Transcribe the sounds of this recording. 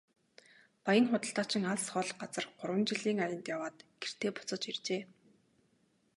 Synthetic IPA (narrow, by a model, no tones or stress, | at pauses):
pajə̆nχʊt̪ə̆ɬt̪aːt͡ɕɪ̆ŋaɮsχɔːɮɢat͡sə̆rɢʊɾwə̆nt͡ɕiɮiːŋajɪ̆nt̪jawaːt̪ɡ̥er̥t̪ʰeːpʊ̥t͡sə̆t͡ɕirt͡ɕeː